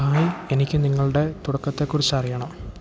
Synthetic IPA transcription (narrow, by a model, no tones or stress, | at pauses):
aːjienikʲːɨniŋːɐɭuɽe̞t̪uɽɐkːɐt̪ːe̞kːurit͡ɕːɐrijɐɳɐm